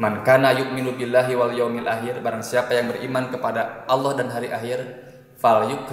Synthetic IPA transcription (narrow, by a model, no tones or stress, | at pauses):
mankanajuʔminubilːaɦiwaljawmilʔaɦɪrbaɾaŋsiapajaŋbərimankəpadaʔːlːɔhdanɦaɾiʔaɦir | faljuk